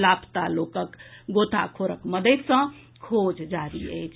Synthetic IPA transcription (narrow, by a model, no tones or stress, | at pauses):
lapʰt̪alokəkɡot̪a̰kʰoɾə̰kməd̪et̪sə̃ | kʰod͡ʒd͡ʒaɾḭə̰t͡ʃʰ